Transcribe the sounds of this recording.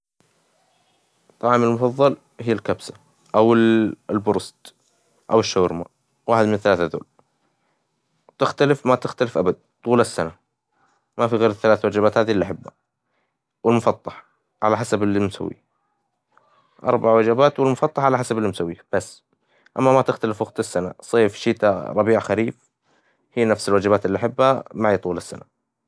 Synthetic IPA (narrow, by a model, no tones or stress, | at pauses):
t̪ˤːɑʕːmɪlmʊfɑðˤːɑl | hɪjːalkabsa | ʔawɪlbʊɾˤst̪ | ʔawɪʃːaɾma | waːħɪd̪mɪnθalaːθaðo̰ːl | t̪ɪxt̪alɪfmat̪ɪxt̪alɪfʔabad̪̚t̪ˤuːlasːana | mafiɣeːɾɪθːalaːθwad͡ʒabaːt̪haːðiʔlːiʔaħɪbːa̰ | wɪlmʊfɑt̪ˤːɑħ | ʕa̰laħasablːimsa̰wːḭ | ʔɑ̰ɾˤbaʕwad͡ʒabaːt̪wɪlmʊfɑt̪ˤːɑħʕalaħasabɪlːimsawːiːb̥asː | ʔa̰mːamat̪ɪxt̪alɪfwaɣt̪ɪsːana̰sˤeːfʃiːt̪aɾˤɑbiːʕxaɾiːf | hiːnafsɪlwad͡ʒɪbaːt̪ʔɪlːiʔaħɪbːha̰maʕit̪ˤuːlɪsːana